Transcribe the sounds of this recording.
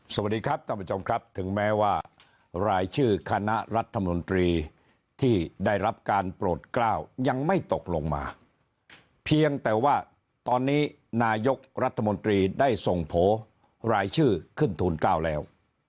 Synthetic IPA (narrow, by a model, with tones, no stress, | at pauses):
so˨˩a˨˩t̚diː˧kɾa˦˥p̚k̪ʰa˥˩pɾa˧t͡ɕo˧mkʰɾa˦˥p̚t̪ʰɯ˩˦ŋmɛː˦˥waː˥˩ | ɾaː˧jt͡ɕʰɯː˥˩kʰa˧na˦˥ʔɾa˦˥t̪ʰːa˧mo˧nt̪ɾiː˧ | t̪ʰiː˥˩daː˥˩jɾa˦˥p̚kaː˧npɾoː˨˩t̪̚klaː˥˩wja˧ŋma˥˩jt̪o˨˩k̚lo˧ŋma̰ː˧ | pʰi˧əŋt̪ɛː˨˩waː˥˩ | t̪ɔː˧nːiː˦˥ | naː˧jo˦˥k̚ɾa˦˥t̪ʰːa˧mo˧nt̪ɾiː˧daː˥˩jso˨˩ŋpʰoː˩˦ | ɾaː˧jt͡ɕʰɯː˥˩kʰɯ˥˩nt̪ʰuː˧nklaː˥˩wlɛː˦˥w